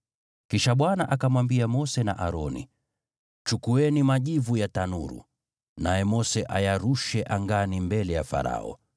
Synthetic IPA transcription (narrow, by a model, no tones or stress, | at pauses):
kiʃaɓwanaʔakamwambiamɔsɛna̰ʔaɾɔnḭ | t͡ʃukuɛnimaʄivujatanuɾṵ | najɛmɔsɛʔajaɾuʃɛʔaŋɡanimbɛlɛjafa̰ɾa̰ɔ̰